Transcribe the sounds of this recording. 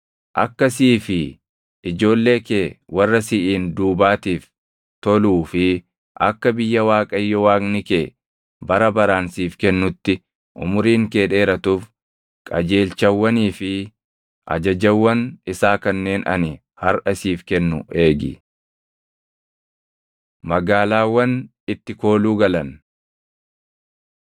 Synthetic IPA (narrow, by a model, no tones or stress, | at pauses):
ʔɐkːɐsiːfɪ | ɪd͡ʒo̞ːlːe̞ːkeːwɐrːɐsɪʔiːnd̪uːbaːt̪iːf | t̪ɔluːfɪ | ʔɐ̰kːɐbɪjːɐwaːkʼɐjːɔwaːkʼnɪkeː | bɐɾɐbɐɾaːnsiːfkɛnːʊt̪ːɪ | ʔʊ̰mʊɾiːŋkeːᶑe̞ːɾɐt̪uːf | kʼɐd͡ʒe̞ːlt͡ʃɐwːɐniːfɪ | ʔɐ̰d͡ʒɐd͡ʒɐwːɐnɪsaːkɐnːe̞ːnʔɐ̰nɪ | hɐɾʔɐsiːfkɛnːʊ̰ʔe̞ːɡɪ̰ | mɐɡaːlaːwːɐn | ɪt̪ːɪko̞ːluːɡɐlɐn